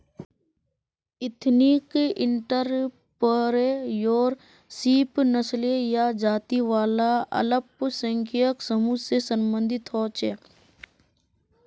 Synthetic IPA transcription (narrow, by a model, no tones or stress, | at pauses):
ɪt̪ʰnikɪɳʈəɾ | pəɾejoːɾ | siːpnəslejad͡ʒaːt̪iʋaːlaɐ̰ləpsə̃ŋkʰijəksəmusesəmbə̃nd̪ʱɪt̪ɦɔːt͡ʃeː